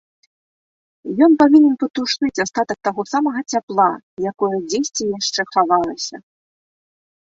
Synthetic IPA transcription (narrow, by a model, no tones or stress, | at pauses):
jɔnpavʲinʲɛnpɐt̪uʂnɨt͡sʲast̪at̪ɐk̚t̪aɣɔsamɐɣɐt͡sʲaplˠa | jakɔjɐd͡zʲesʲt͡sʲɛjaʂt͡ʂɛxavalˠɐsʲɐ̰